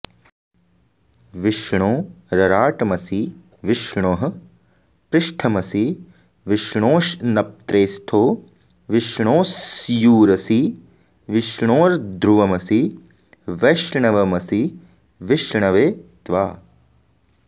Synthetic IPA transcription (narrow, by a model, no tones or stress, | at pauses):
ʋiʃɳoːɾɐɾaːʈɐmɐsiː | ʋɪʃɳoːɦɐ̆ | pɾɪʃʈʰɐmɐsi | ʋɪʃɳoːʃnɐp̚t̪ɾeːst̪ʰoː | ʋɪʃɳoːsjuːɾɐsi | ʋɪʃɳoːɾd̪ɾuʋɐmɐsi | ʋeːʃɳɐʋɐmɐsi | ʋɪʃɳɐʋeːt̪ʋaː